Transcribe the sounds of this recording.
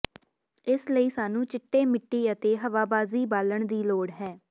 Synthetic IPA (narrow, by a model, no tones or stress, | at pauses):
ɪsləiːsaːnũːt͡ʃɪʈːeːmɪʈːiːət̪eːɦəʋaːbaːziːbaːləɳd̪iːloːɽɦɛː